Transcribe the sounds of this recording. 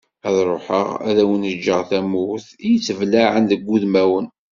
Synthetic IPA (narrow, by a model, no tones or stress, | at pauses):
æðɾˤoħəʁæ̰ðæwənəd͡ʒːəʁθæmʊθijət͡sːəvlaʕənðəɡʷːuðmæwən